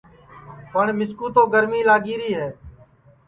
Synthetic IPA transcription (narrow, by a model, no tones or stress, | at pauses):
pəɳmɪskuːt̪õːɡəɾmiːlaːɡiːɾiːɦɛː